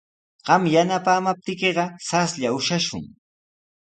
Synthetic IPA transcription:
ɢ̥ɑmjanapaːmap̚t̪ɪkeɢɑsasʎaʊʃaʃʊ̰ŋ

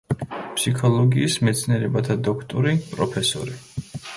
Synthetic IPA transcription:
pʰsikʰɔlˠɔɡiːsmɛt̪sʰniɛɾɛbat̪ʰad̪ɔkʰt̪ʼuɾipʼɾɔpʰɛsɔ̰ɾi

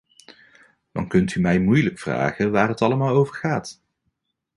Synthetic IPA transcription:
d̥ɑ̰nkɵntymɛjmujləkfra̰ːχəʋaːrɦətɑlˠəmaːlˠowvəɹχaːt

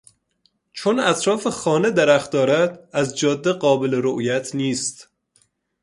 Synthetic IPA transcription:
t͡ʃʰonæt̪ʰɾɒːfexɒːned̪æɾæχt̪̚d̪ɒːɾæd̪æzd͡ʒɒːd̪ːeɢɒːbeleɾoʔjæt̪ʰniːst̪

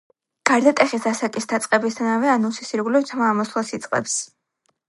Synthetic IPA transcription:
ɡ̥aɾd̪at̪ʼɛχisasakʼisd̪ʰat̪sʼqʼɛbisd̪ʰanavɛanusisiɾɡulɛvt̪ʰmaːmɔslˠasit̪sʼqʼɛ̰ps

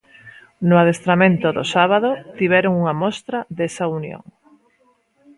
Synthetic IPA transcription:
nʊað̞est̪ɾamẽnt̪oðo̰saβ̞aðot̪iβ̞ɛɾoŋuŋɐmɔst̪ɾɐðesaunjo̰ŋ

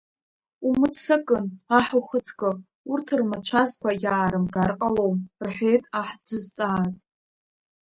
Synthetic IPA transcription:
umɨt͡ssakʼɨnaħuwχət͡sʰɡʼɨ | urtʰɨrmat͡ɕʷʰazkʷajaːɾɨmɡarqʼalo̞wmrħʷe̞jtʼaħd͡zɨzt͡sʼaːz

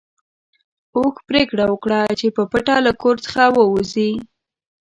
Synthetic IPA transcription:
oxpɾekɽawəkɽat͡ʃepəpaʈalakoɾt͡sə̥xawəuzi

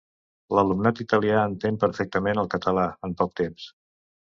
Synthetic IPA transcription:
ləlumnat̪it̪əliaənt̪empəɾfɛk̚t̪əmenəlˠkət̪əlaəmpɔk̚t̪ems

